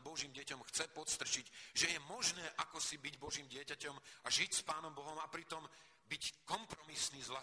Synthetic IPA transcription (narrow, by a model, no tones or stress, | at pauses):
bɔʒiːmɟɪɛcɔmxt͡sɛpɔt̪st̪r̩t͡ʃiɟʒɛjɛmɔʒnɛːʔakɔsibiɟbɔʒiːmɟɪɛcacɔmaʒicspaːnɔmbɔɦɔmapɾit̪ɔm | bickɔmpɾɔmisniːzʋla